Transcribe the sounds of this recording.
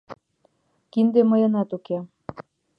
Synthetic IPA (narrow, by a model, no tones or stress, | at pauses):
kind̪eməjɤ̆nɑt̪uke